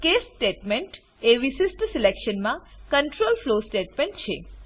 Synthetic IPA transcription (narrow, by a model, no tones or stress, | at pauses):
kesːʈeʈmeɳʈ | eʋiʃist̪silekʃənmãkəɳʈɾolflosʈeʈmẽɳʈt͡ʃʰḛ